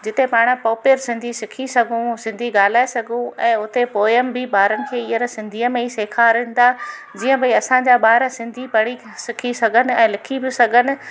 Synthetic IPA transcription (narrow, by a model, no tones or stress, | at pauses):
d͡ʑɪt̪epaːɽ̃pɔːpɪəɾsɪ̃nd̪ʱisɪkʰisɐɡʱũsɪ̃nd̪ʱiɠaːl̤aːesɐɡʱũɛ̃ːʊt̪epoːɪəmbɪɓaːɾənɪ̆kʰeːijəɾsɪ̃nd̪ʱiːəmẽiseːkʰaɾɪ̃ːn̆d̪a | d͡ʑiːə̃bɐiɐsãɲd͡ʑaːɓaːɾsɪ̃nd̪ʱipɐɽ̤i | sɪkʰisɐɡʱənɪ̆ɛ̃ːlɪkʰibɪsɐɡʱənɪ̆